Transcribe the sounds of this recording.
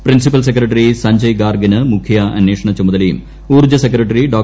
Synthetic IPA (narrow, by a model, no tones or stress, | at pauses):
prinsipɐlsekɾɐʈːɐrisɐɲd͡ʑɐjɡaːrɡinɨmukʰːjɐɐ̰nːeːʂɐɳɐt͡ɕumɐðɐlɐjṵm | uːrd͡ʑɐsekːɾɐʈːɐriɖoː